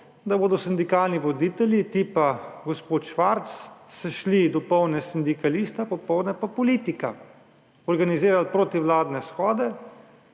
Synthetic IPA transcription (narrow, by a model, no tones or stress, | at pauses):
d̪aboːd̪ɔsind̪ikaːlniʋɔd̪iːt̪ɛlʲjit̪ipaɡɔspoːt̪ʃʋaɾt̪sːaʃlid̪ɔpɔwnɛsind̪ikalist̪apɔpɔwd̪nɛpapɔliːt̪ika̰ | ɔɾɡanizeːɾalpɾoːt̪iwlaːd̪nɛsxɔːd̪ɛ